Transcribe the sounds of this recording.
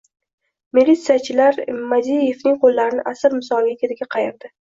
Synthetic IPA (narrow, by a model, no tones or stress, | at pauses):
milːit̪sijat͡ʃʰɪlaɾmad̪ije̞vnɪŋqʰolːaɾɪnɪʔasɪɾmɪsɒlˠɡʲakʲʰet̪ɪɡʲaqʰɑjɪɾd̪ɪ